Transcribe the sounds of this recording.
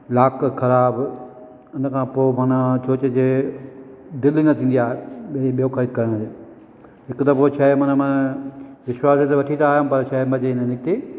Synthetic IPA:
laːkkʰɐɾaːb | ɪnə̆kʰãːpoːmɐnət͡ɕʰoːt͡ɕd͡ʑeː | d̪ɪlinɐt̪ʰĩːn̆d̪iaːɦeɓɾiɓijoxʰɐɾiːd̪̚kɐɾəɽ̃e | ɦɪkt̪ɐpoːt͡ɕʰɐɦemɐnəmɐ̃ | ʋɪʃwaːset̪eʋɐʈʰit̪aːjampɐɾt͡ɕʰɐɦemɐ̃d͡ʑenənɪk̚t̪eː

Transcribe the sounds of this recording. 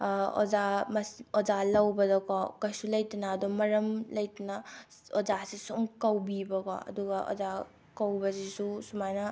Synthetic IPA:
o̰zamɐsozalɐwbɐdɔkɔkɐjsulɐjtinaːdumɐɾɐmlɐjtina | ozasisumkɐwbibɐkɔ̰ɐ̰duɡaʔo̰za | kɐwbɐsisusumajnɐ

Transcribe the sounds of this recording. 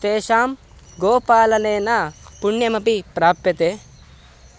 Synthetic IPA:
t̪eːʃaːm | ɡoːpaːlɐneːnapuɳjɐmɐpipɾaːpjɐt̪eː

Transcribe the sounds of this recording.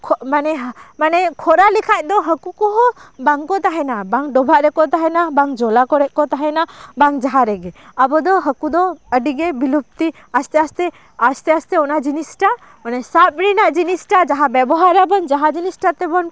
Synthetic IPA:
kʰmanɛɦmanɛkʰɔɾalikʰac̚ˀd̪ɔɦəkukɔɦɔbaŋkɔt̪aɦɛnabaŋɖɔbʱaʔɾɛkɔt̪aɦɛnabaŋd͡ʒɔlakɔɾɛʔ̚kɔt̪aɦɛnabaŋd͡ʒaɦaɾɛɡɛabɔd̪ɔɦəkud̪ɔəɖiɡebilup̚t̪i | ast̪ɛast̪ɛ | ast̪ɛast̪ɛɔnad͡ʒinisʈa | ɔnasap̚ɾinaʔd͡ʒinisʈad͡ʒaɦabɛbɔɦaɾabɔnd͡ʒaɦad͡ʒinisʈat̪ɛbɔn

